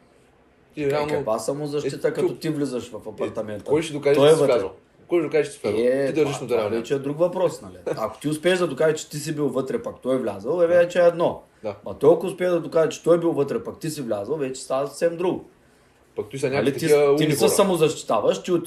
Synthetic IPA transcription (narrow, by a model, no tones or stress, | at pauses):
iɾɛalˠnɐkvasɐmozɐʃt̪it̪əkɐt̪ɔt̪ivlizəʃvɐfɐpɐɾt̪ɐmɛnt̪kɔjʃid̪ʊkaʒɔjɛvət̪ʲɾɛlˠ | kɔjʒd̪ʊkaʒɛʃi̥sʲaɛid̪ɐɾʒiʃnɐt̪ɛɾavɛt͡ʃɛɛd̪ɾukvɐpɾɔsnɐliɐkʊ̥t̪iʊspɛːʒd̪ɐd̪ʊkaʒɐt͡ʃɛ̥t̪isibilˠvət̪ɾɛpɐkt̪ɔjvlʲazɐlˠɛvɛɛt͡ʃɛɛɛd̪nɔ | d̪amɐt̪ɔjɐkʊʊspɛːʒd̪ɐd̪ʊkaʒɐt͡ʃɛ̥t̪ɔjbilˠvət̪ɾɛpɐkt̪isivlʲazɐlˠvɛt͡ʃɛ̥st̪avɐsɐ̥sɛmd̪ɾuɡʊ | pɐk̚t̪usɛnʲaɐlit̪iiinɛsəɐmʊzɐʃt̪i̥t̪avɐʃt̪iʊ